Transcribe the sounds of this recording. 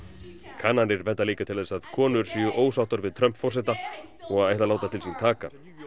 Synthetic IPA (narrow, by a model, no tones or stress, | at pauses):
kʰaːnanɪɾvɛnt̪aliːkat̪ʰɪlðɛsaðkʰɔːnʏɾ̥siːʏʔoːwsawht̪ʏɾvɪðt̪ʰɾœm̥pfɔɾ̥sɛt̪aɔɣaðeajht̪alaːwt̪at̪ʰɪlsint̪ʰaːka̰